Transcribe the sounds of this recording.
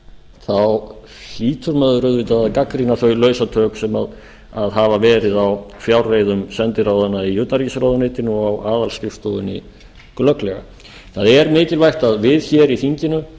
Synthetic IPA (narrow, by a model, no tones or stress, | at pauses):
θaw | hiːt̪ʰʏɾmœːðʏɾœðvɪt̪aðaðkakɾinaθœɥlœːɥsat̪ʰœːksɛmað | aðɦavavɛːɾɪðawfjawɾveːjðʏmsɛnt̪ɪɾawðanːaijœːt̪naɾicɪsɾawðʏnɪːt̪ɪnʏɔawʔaːðalscɪfst̪ɔwðʏnḭ | klœklɛɣa̰ | θaðɛɾmɪːcɪlvajxt̪aðvɪðçɛɾiθiɲcɪnʏ